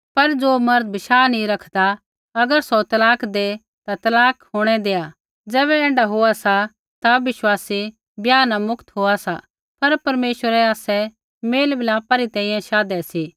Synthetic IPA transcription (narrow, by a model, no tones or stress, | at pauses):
pɐɾd͡zoːmɐɾd̪̚bɪʃaːnĩɾɐkʰd̪a | ɐɡəɾsot̪ɐlaːkʰd̪e | t̪at̪ɐlaːkʰɦoːɽ̃ɛd̪eːa | d͡zɛːβɛɛ̃ːɳɖaɦoasa | t̪aʋɪʃwaːsi | bjaːnamʊkt̪ɦoːasa | pɐɾpɐɾmeːʃwəɾɛaːsɛ | meːlbɪlaːpaɾit̪ɛ̃ːĩjãʃaːd̪ɛsi